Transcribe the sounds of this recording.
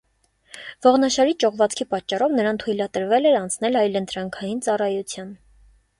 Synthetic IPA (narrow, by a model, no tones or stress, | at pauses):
v̥ɔʁnɑʃɑɾit͡ʃɔʁvɑt͡skʰipɑt͡ʃːɑrɔvnəɾɑnt̪ʰujlɑt̪əɾvɛlɛɾɑnt͡sʰnɛlɑjlənt̪ɾɑŋkʰɑjint͡sɑrɑjut͡sʰjɑn